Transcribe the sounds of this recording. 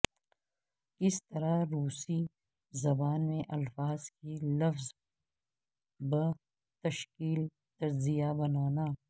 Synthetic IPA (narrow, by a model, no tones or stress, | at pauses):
kɪst̪ɐɾaɾuːsi | zɐbaːnmẽʔɐlfaːz̥kilɐfz | bə | t̪ɐʃkiːl | t̪ɐɾzijabɐnaːnaː